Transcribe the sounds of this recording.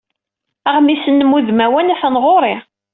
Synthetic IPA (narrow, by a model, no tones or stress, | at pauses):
æʁmisənːəmːuðmæwænæθənʁoɾˤi